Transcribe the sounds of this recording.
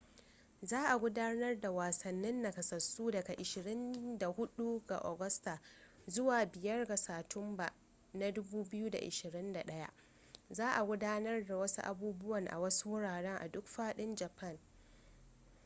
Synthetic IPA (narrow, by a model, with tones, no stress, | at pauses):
zaː˦ʔa˨ɡʷʊ˦daː˦nɐ˦rda˨waː˨sɐ˨nːɪ˦nːa˨kɐ˨sɐ˨suː˦dɐ˨ɡa˨ʔɪ˨ʃɪ˨ɽɪ˦nda˨hʊ˦ɗu˦ɡa̰˨ʔo̰ː˨ɡɐ˦sta˨ | zʊ˦waː˨bɪ˨jɐ˦rɡa˨saː˨tʰʊ˦mba˨ʔ | na˦dʊ˦buː˦bɪ˦ju˦da̰˨ʔɪ̰˨ʃɪ˨ɾɪ˦nda˨ɗɐ˦ja̰˦ʔ | zaː˦ʔa˨ɡʷʊ˦daː˦nɐ˦rda˨wɐ˦su˦ʔa̰˨buː˦bʊ˦wɐ˨ŋʔa̰˨wɐ˦su˦wʊ˦ɽaː˨ɽɛ˦ŋʔa̰˨dʊ˦kɸaː˦ɗɪ˦nd͡ʒɐ˨pʰɐ˦˨n